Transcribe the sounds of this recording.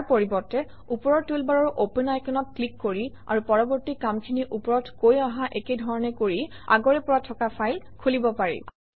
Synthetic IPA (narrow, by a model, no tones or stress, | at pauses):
poɹibɔtɛ | upɔɹɔɹtulbaɹɔɹʔopenajkʰɔnɔt̚klikːoɹi | a̰ɹupɔɹɔbɔɹtikamkʰiniʔupɔɹɔtkojaɦaʔekejdʱɔɹɔnɛkoɹi | a̰ɡɔɹɛpɔɹatʰɔkapʰajlkʰulibɔpaɹḭ